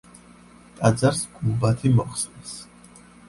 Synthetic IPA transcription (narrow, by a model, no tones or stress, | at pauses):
t̪ʼad̪zaɾskʼumbat̪ʰimɔχsnɛs